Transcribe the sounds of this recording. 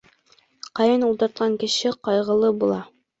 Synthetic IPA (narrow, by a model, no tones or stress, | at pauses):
qɑjɤnulˠd̪ɑɾt̪̚qʰɑŋkɘ̆ʃɘqɑjʁɤ̆lˠɤbulˠɑ